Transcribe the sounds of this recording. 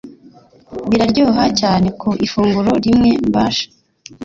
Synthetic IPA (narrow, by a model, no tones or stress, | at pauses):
βiɾaɾɟoːɦacaːne̞kʰoʔifuːŋɡuɾo̞ɾimŋe̞mbaːʃḁ